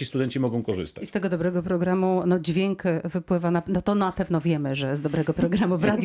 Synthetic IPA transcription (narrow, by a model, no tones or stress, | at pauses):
ist̪ud̪ɛɲt͡ɕimɔɡɔ̃w̃kɔʐɘ̰st̪aist̪ɛɡɔd̪ɔbɾɛɡɔpɾɔɡɾamunɔd͡ʑvʲjɛŋkvɘpwɘvananat̪ɔnapɛvnɔvʲjɛmɘʐɛzd̪ɔbɾɛɡɔpɾɔɡɾamuvɾad̪j